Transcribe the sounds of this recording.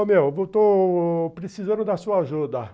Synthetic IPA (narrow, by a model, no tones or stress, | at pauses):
mewvot̪opɾesizɐ̃nʊd̪ɐsuɐaʒud̪ɐ